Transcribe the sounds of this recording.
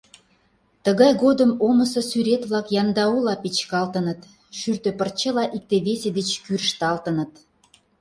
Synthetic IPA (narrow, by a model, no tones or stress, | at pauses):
t̪əɣɑjɣod̪əmomə̆sɤ̆syɾet̪βlɑkjɑnd̪ɑulɑpit͡ɕkɑlt̪ənət̪ | ʃyrt̪ø̆pərt͡ɕəlɑʔik̚t̪eβesed̪et͡ɕkyrʃt̪ɑlt̪ə̆nət̪